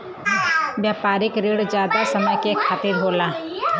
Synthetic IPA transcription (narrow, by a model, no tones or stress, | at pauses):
ʋjaːpaːɾɪkɾeːɽzd͡ʒjaːd̪asɐməjkekʰaːt̪ɪɾɦoːla